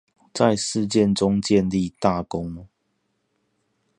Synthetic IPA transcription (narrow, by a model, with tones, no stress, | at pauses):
t͡sa˥˨ɪʂɻ̩˥˧t͡ɕjɛ˥˨nʈ͡ʂʊ˦ŋt͡ɕjɛ˥˨nli˥˨t̪a˥˨kʊ˦ŋ